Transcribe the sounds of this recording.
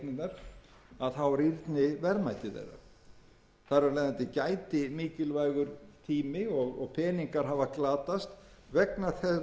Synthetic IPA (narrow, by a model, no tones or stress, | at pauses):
nɪnaɾ̥aðθawvaɾiɾt̪nɪvɛɾmajt̪ɪθḛjra̰ | θaɾalɛjðant̪ɪcaːjt̪ɪmiːcɪlvajɣʏɾt̪ʰiːmɪɔɣɔ̰ɣpʰɛːniŋkaɾ̥ɦaːvaklaːt̪ast̪ | vɛknḁθɛ